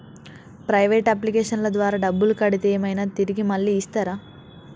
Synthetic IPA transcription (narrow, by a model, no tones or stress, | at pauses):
pɾɐjʋeːʈɐp̬likeːʂɐnlɐd̪ʋaːɾaːɖɐbːulukɐɽit̪ɛːmɐjnaːt̪iɾiɡimɐɭːiːst̪aːɾaː